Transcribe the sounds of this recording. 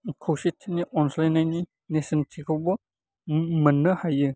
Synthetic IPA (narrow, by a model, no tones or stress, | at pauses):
kʰowsitʰːiniʔɔnslenajni | nesɐntʰikʰowbɔ | mɐnːɯhajɯ